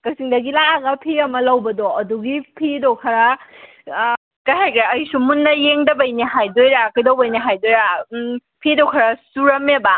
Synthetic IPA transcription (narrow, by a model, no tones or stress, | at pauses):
kɐsiŋdɐɡilaɡɐpʰiɐmɐlɐwbɐdoɐduɡipʰidokʰɐɾɐ | kɐjɦajkʰɾɐjsumunːɐjeŋdɐbɐjniɦajdojɾakɐjdɐwbɐjniɦajdojɾa | pʰidowkʰɐɾɐsuɾɐmeba